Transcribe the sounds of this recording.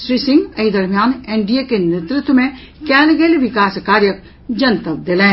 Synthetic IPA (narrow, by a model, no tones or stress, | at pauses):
ʃɾisɪ̃ŋɡɐid̪ɐɾmjaːnẽːɳɖijekenet̪ɾʊt̪wmẽ | kɛːlɡeːlʋɪkaːskaːɾjək̚ | d͡ʒɐnt̪ək̚d̪elẽː